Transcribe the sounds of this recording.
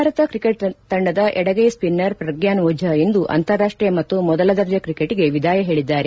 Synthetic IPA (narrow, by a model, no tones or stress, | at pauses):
aːɾɐt̪ɐkɾikeʈ̚t̪ɐɳɖɐd̪ɐʔɛɽɐɡejspinːɐɾpɾɐɡjaːnʋuːd͡ʒʱɐend̪uʔɐ̰nt̪ɐɾːaːʂʈɾijɐmɐt̪ːumɔd̪ɐlɐd̪ɐɾd͡ʒɐkɾikeʈiɡe̞ʋid̪ʱaːjɐɦe̞ːɭid̪ːaːɾe